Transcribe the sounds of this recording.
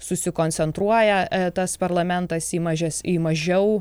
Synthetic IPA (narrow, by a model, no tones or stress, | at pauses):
sʊsʲɪkoːnʲt͡ssʲɛnt̪ɾuɔjɛt̪ɐspɐɾlˠɐmʲɛnt̪ɐsiːmɐʒʲɛsiːmɐʒʲɛʊ